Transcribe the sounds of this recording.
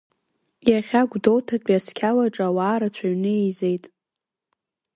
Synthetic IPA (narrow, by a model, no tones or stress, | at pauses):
jaχʲaɡʷdo̞wtʰakʲʷʼaskʲʰalaʈ͡ʂʼawaːɾat͡ɕʷʰaɥnɨejze̞jtʼ